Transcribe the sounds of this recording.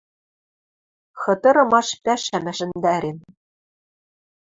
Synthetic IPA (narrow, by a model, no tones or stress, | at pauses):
xɤ̆t̪ɤ̆ɾɤ̆mɑʃpʲæʃæmʲɘ̆ʒɘ̆nd̪æɾʲen